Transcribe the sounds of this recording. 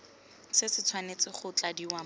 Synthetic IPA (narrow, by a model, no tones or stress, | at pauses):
sɪsɪt͡sʰwanet͡sɪχʊt͡ɬadiwa